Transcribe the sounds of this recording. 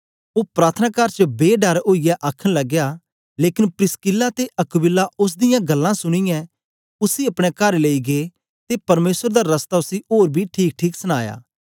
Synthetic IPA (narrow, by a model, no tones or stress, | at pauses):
oːpɾaːt̪ʰənaːkaːɾt͡ʃəbeːɖəɾoːijɛʔaːkʰəɽ̃lɐɡːjaː | leːkɪnpɾɪskɪlːat̪eʔɐkbɪlːaʊs̬d̪ɪjãːɡɐlːãsʊɽ̃ɪjɛ̃ | ʊsiɐpɽ̃ɛkəɾleiɡeː | t̪epɐɾmeːsəɾd̪aːɾɐst̪aːʊsioːɾbʱiʈʰiːk̚ʈʰiːksəɽ̃aːja̰ː